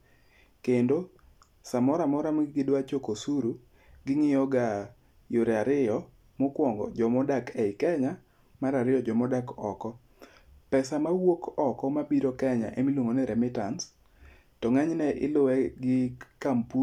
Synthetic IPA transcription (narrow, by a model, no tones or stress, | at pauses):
kendo | samɔɾamɔɾamɡɪdwat͡ʃokosuɾu | ɡɪŋɪjɔɡa | joɾeaɾɪɔ | mʊkwɔŋɡɔ̰d͡ʒɔmɔdakɛɪkɛɲa | maɾaɾɪjɔd͡ʒɔmɔdakɔkɔ | pɛsamawokɔkɔmabiɾɔkɛɲa̰ʔemilwoŋonɛɾɛmɪtans | tɔŋaɲnɛʔɪ̰lʊwɛɡɪkampu